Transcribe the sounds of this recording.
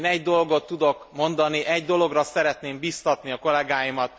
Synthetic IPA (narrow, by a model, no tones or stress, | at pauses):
nɛɟd̪o̞lɡo̞t̪ːud̪o̞kmo̞nd̪ɒniʔɛɟd̪o̞lo̞ɡrɒsɛɾɛt̪neːmbiːst̪ɒt̪niɒko̞lɛɡaːjimɒt̪̚